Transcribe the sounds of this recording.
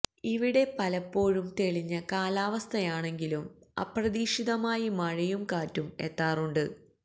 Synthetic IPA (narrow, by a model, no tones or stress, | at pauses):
iʋiɽe̞pɐlɐpːo̞ːɻumt̪e̞ɭiɲːɐkaːlaːʋɐst̪ʰɐjaːɳe̞ŋɡilumɐ̰prɐðiːʂiðɐmaːjimɐɻɐjumkaːtːume̞̰t̪ːaːruɳɖɨ